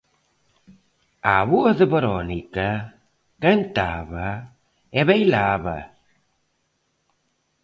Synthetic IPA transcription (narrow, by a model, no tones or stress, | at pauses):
aβuɐðəβeɾɔnikɐ | kant̪a̰βa | eβejlaβɐ̰